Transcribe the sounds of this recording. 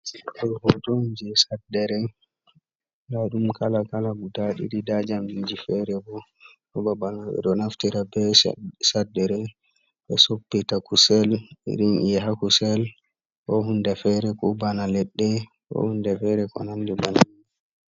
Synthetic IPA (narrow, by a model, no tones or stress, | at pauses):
stɔhɔtɔnd͡ʒisadːɛɾɛ | laɗumkalakalabudaɗḭɾidad͡ʒambid͡ʒifɛɾɛbɔ | ɔbabanaɓɛ̰ɗɔnaftiɾabɛsadːɛɾɛ | ɓɛsopːɛtakusɛlḭɾinijɛɦakusɛl | kɔɦundɛfɛɾɛkubanalɛɗːɛ | kɔ̰hundɛfɛɾɛkɔ̰nandiban